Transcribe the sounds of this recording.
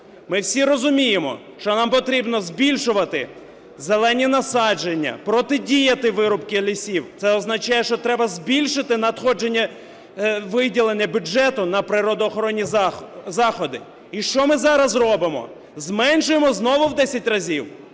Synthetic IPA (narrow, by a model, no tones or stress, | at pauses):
mɪwsʲiɾɔzʊmʲijemɔ̰ | ʃt͡ʃɔnɑmpɔt̪ɾʲibnɔzʲbʲilʲʃʊʋɐt̪ɪ | zelˠɛnʲinɐsɑd͡ʒenʲːɐ̰pɾɔt̪ɪdʲijɐt̪ɪʋɪɾʊpkɪlʲisʲiwt̪sɛɔznɐt͡ʃɑjɛʃt͡ʃɔt̪ɾɛbɐzʲbʲilʲʃɪt̪ɪnɐt̪xɔd͡ʒe̞nʲːɐ | ʋɪdʲilˠenʲːɐbʲjʊd͡ʒɛt̪ʊnɐpɾɪɾɔd̪ɔːxɔɾɔnʲːizɑxɔd̪ɪ | iʃt͡ʃɔmɪzɑɾɐzrɔbɪmɔ̰ | zmɛnʃʊjemɔznɔʋʊwd̪ɛsʲɐtʲrɐzʲiw